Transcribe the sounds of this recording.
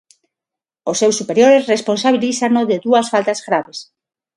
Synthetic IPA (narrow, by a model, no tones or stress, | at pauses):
osːewsːupeɾjoɾesresponsaβiliθanoðeðuɐsfalt̪azɣɾaβes